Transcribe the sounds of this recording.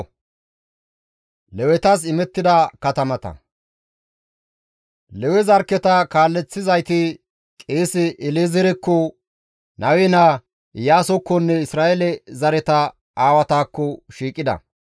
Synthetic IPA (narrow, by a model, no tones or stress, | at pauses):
lɛwɛt̪ɐs̬ɪmɛt̪ːɪd̪ɐkɐt̪ɐmɐt̪ɐ̰ | lɛwɛzɐɾkːɛt̪ɐkaːlːɛt͡sːɪzɐjt̪ɪ | kʼeːsɪʔɪlezɛɾɛkːɔ | nɐwɛna | jaːsɔkːɔnːɛɪsɾaːʔɛlɛzɐɾɛt̪ɐ | aːwɐt̪aːkːɔʃiːkʼɪd̪ɐ̰